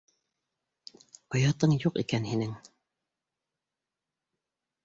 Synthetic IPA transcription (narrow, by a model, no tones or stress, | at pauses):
ɑjɑt̪ɤɴjuqḭkænhinɘŋ